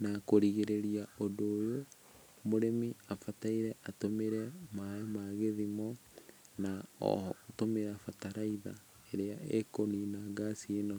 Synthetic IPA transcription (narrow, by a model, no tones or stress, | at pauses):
nakoɾiɣeɾeɾiaodoːjo | moɾemiafataiɾɛʔatomeɾɛmamaɣeðimɔ | naɔ̰hɔːtomeɾafataɾaiða̰ | eɾeaekoninaɡasienɔ